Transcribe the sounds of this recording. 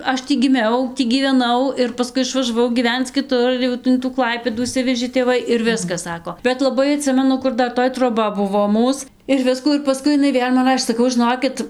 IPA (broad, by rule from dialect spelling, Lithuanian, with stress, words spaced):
ˈɐʃ ˈtʲiː ɡʲɪˈmʲɛʊ ˈtʲiː ɡʲiːʋʲɛˈnɐʊ ɪr pɐˈskʊɪ ɪʃʋɐʒɐˈʋɐʊ ɡʲiːˈʋʲɛnt͡s kʲɪˈtʊr ˈjɛʊ ɪn tuː ˈklˠɐɪpʲeːduː ɪʃʲˈsʲɪʋʲɛʒʲeː tʲeːˈʋɐɪ ɪr ˈʋʲɪskɐs ˈsɑːkoː bʲɛt lˠɐˈbɐɪ ɐˈtʲsʲɪmʲɛnʊ ˈkʊr ˈdɐr ˈtoːj troːˈbɐ ˈbʊʋoː ˈmuːs ɪr ˈʋʲɪskuː ɪr pɐˈskʊɪ ɪˈnɐɪ ˈʋʲeːlʲ mɐn ˈrɑːʃʲeː sɐˈkɐʊ ʒʲɪˈnoːkʲɪt